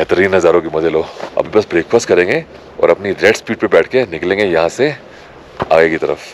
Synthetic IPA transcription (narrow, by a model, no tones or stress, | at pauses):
bɛɦt̪əɾiːnɦɐzaːɾõkimɐd̪əlɦoːɐ̰bʱibɐsbɾeːkfaːsʈ̚kɐɾẽːŋɡe | ɔ̰ːɾɐpniɾɛɖspiːʈ̚pebɛːʈʰkenɪklẽːŋɡejɐɦãse | a̰ːɡekit̪ɐɾəf